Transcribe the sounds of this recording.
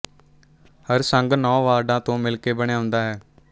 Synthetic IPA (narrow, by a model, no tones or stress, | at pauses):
həɾsəŋɡnɔ̃ːʋaːɾɖãːt̪õːmɪlkeːbəɳ̃jaːɦʊ̃nd̪aːɦɛː